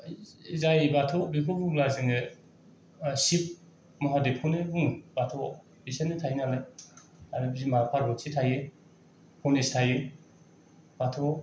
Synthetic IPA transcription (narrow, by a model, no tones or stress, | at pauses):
zajbatʰɔbikʰɔbuŋlaziŋe | sip̚ | mɔɦadepʰɔnebuŋbatʰɔ | bisanetʰajnalaj | aɾbzimapʰaɾbɔsʰitʰaje | pʰɔnestʰaje | batʰɔ